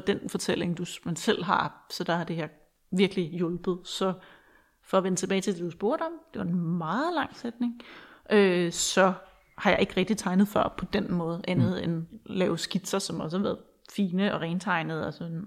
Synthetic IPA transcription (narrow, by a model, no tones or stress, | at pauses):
d̥enfɒ̽t͡sʰel̰e̝ŋd̥umænsel̰ɦɑ̈sɒ̽d̥ɑ̈hɑ̈d̥e̝hæɐ̰ | ʋiɐɡ̥lijɔ̽lb̥ð̩ˠsɒ̽ | fɒ̽ɒʋenət͡sʰe̝bɛːt͡sʰe̝ld̥ed̥usb̥o̝ɐ̰ɾ̥ɒ̽md̥e̝ʋɑ̈e̝nmɑ̈ːð̩ˠlɑ̈ŋ̰sed̥ne̝ŋʔøsɒ̽ | hɑ̈jɑ̈ɪe̝ɡ̥əʁɛɡ̥̚d̥it͡sʰɑ̈ɪnð̩ˠfɶɐ̰pʰɒ̽d̥enmɔ̽ːð̞̩ˠʔænð̞̩ˠenlɛːʊsɡ̥id̥sɐsɒ̽mɒ̽səhæʋæːɐð̩ˠ | fiːnəɒ̽ʁɛːnt͡sʰɑ̈ɪnəð̞̩ˠɒsɔn